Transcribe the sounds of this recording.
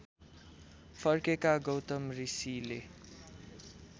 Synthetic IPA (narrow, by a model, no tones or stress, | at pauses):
fʰʌrkekaɡʌwt̪ʌmrisile